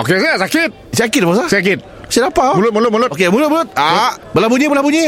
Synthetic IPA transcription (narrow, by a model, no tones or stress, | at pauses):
o̰kesisakɪt̪̚sakit̚basask̬it̪̚ | sidapamulʊt̚mulʊt̪̚mulʊtokemulʊt̪̚mulʊt̪̚abəlabuɲibəlabuɲi